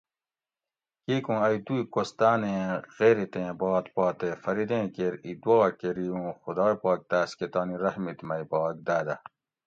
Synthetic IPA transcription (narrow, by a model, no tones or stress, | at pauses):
kiːkũɐjd̪uikost̪aːnẽɣ̥eːɾit̪ẽbɑːt̪pɑːt̪efɐɾid̪ẽːkeɾid̪wɑːkeɾijũːxʊd̪ɑːjpɑːk̚d̪aːsket̪ɑːniɾɐhmit̪mɐjpɑːk̚d̪aːd̪ɐ